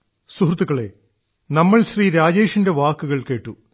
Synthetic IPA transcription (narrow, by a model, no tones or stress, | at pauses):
suɦrt̪ːuɣɐɭe̞̰ | nɐmːɐɭɕriːɾaːd͡ʑeːʂɐnde̞ʋaːkːuɣɐɭke̞ːʈːu